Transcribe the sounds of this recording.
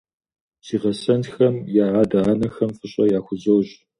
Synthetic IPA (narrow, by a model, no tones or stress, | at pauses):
z̥iːʁɐsɐntxɐmjaːʕaːdaanɐxɐmfɨɕʼɐjaːxʷʊzɐwɕʼ